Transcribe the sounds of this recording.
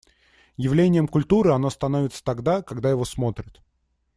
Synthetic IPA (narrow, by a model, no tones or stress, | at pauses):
jɪvlʲenʲɪjəmkʊlʲt̪uɾɨɐno̞st̪ɐno̞vʲɪt̪sə̥t̪ɐɡd̪akɐɡd̪ajɪvo̞smo̞t̪ɾʲɪt̪